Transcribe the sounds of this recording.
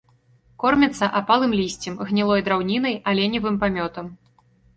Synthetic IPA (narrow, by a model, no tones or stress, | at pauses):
kɔrmʲɛt̪sːɐʔapalˠɨmlʲisʲt͡sʲɛmɣnʲilˠɔjd̪ɾawnʲin̪ɐjalʲɛnʲivɨmpamʲɔt̪ɐm